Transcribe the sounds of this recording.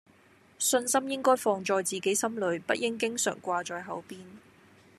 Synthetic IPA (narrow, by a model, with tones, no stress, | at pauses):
sɵ˧nsɐ˥mjɪ˥ŋkɔː˥jfɔː˧ŋt͡ʃɔː˨˧jt͡siː˨ke˨˥jsɐ˥mlɵ˨˥ɥpɐ˥t̚jɪ˥ŋk̬ɪ˥ŋsœ̰ː˨˩ŋkʷaː˧t͡ʃɔː˨˧jɦɐ˨˥wpiː˥n